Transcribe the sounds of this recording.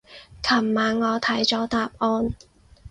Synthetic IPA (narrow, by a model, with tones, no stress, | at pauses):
kʰɐ˨˩mmaː˨˧nŋɔː˨˧t̪ʰɐ˨˥jt͡sɔː˨˥t̪aː˨p̚ʔɔː˧n